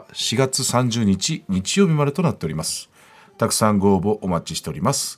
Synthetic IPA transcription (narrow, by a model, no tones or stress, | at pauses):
ɕiɡat͡sɨsãɲ̟d͡ʑɨːɲ̟it͡ɕiɲ̟it͡ɕijo̞ːbʲimad̪e̞t̪o̞nat̪ːe̞o̞ɾʲimasɨ̥ | t̪akɯ̟̥sãŋɡo̞ːbo̞ʔomat͡ɕiɕit̪e̞o̞ɾimasɨ̥